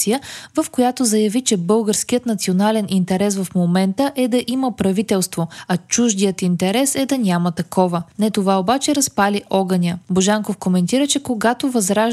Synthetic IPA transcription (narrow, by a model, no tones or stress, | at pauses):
sijəvɐfkojat̪ozɐjɐvit͡ʃɛbɤlˠɡəɾskijət̪nɐt̪sionalɛnʔint̪ɛɾɛsvɐfmomɛnt̪əʔɛd̪ɐʔiməpɾɐvit̪ɛlˠst̪voɐt͡ʃuʒd̪ijət̪int̪ɛɾɛsɛd̪ɐnʲamət̪ɐkɔvənɛt̪ovaobat͡ʃɛɾɐspaliʔɔɡɐnʲəboʒaŋkofkomɛnt̪iɾət͡ʃɛkoɡat̪ovɐzɾaʒ